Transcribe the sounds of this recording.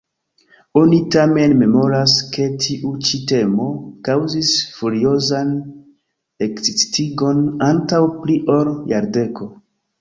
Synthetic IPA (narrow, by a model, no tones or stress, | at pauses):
o̞nitame̞nme̞mo̞ɾaske̞tʰiʔut͡ʃite̞mo̞kawzisfuɾio̞zan | eksistiɡo̞nantawpliʔo̞ɾjaɾde̞ko̞